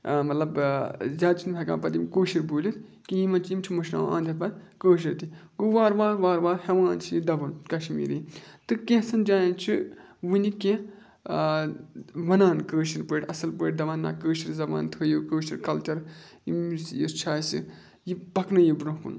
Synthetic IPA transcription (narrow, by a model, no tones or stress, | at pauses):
mɐt̪lɐbzʲaːd̪̚t͡ʃʰinɨpʰʲɐkã̰ːnpɐt̪imkoːʃiɾboːlʲit̪ | kijimɐnt͡ʃʰimt͡ʃʰimɐʃna̰ːwã̰ːnd̪ʲɐpɐt̪kəːʃ̬iɾt̪iɡoʋaːɾʋaːɾʋaːɾʋaːɾhɐʋãːnt͡ʃʰijid̪ɐbɐnkɐʃmḭːɾiːt̪ɨkẽsɐnd͡ʒaːjɐ̃nt͡ʃʰiʋɨnikẽ | ʋɐnaːnkəːʃiɾpəːʈʲɐsɐlpəːʈ̚ʲd̪ɐʋaːnːa̰ːkəːʃiɾzɐʋã̰ːnt̪ʰəːjuːkəːʃiɾkɐlt͡ʃɐɾ | ḭmsjist͡ʃʰaːsḭ | jibɐknɐjibɾũːkṵn